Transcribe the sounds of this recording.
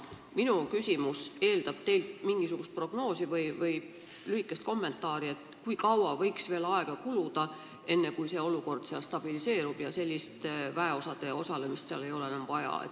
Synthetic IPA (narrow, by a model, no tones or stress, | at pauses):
minukysʲimuse̞ːld̪ɑb̥̚t̪e̞jlt̪miŋɡ̥isuɡ̥ust̪̚pro̞ɡ̥no̞ːsivɤjvɤj | lyhikːˑest̪ko̞mːe̞nt̪ːˑɑːɾie̞t̪ˑkujkɑwɑvɤ̞jksve̞ːlɑe̞ɡ̥ɑkulud̪̥ɑ | e̞nːe̞kujse̞o̞luko̞rd̪̥seɑlst̪ɑb̥ilise̞ːɾub̥jɑse̞lʲːist̪væe̞o̞sɑd̪̥e̞o̞sɑlemist̪seɑle̞jo̞leenɑmvɑjɑ̰ḛ